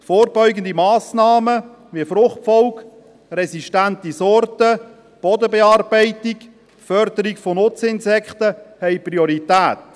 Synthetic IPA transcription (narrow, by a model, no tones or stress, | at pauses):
foːɾbɔʏɡən̩d̪imɑːsnɑːmə | ʋifɾʊχtfɔlk | ɾɛsiʃtænt̪isɔrtə | b̥ɔd̪əbeɑːrbɛɪtik | fœɾd̥̪əɾiɡfonʊt͡sɪnsɛkχt̪əhɛjpriɔɾit̪æːt̪